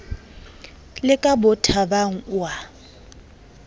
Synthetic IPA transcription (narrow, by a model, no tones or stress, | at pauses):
lɪkʼabʊtʰabaŋ̩wa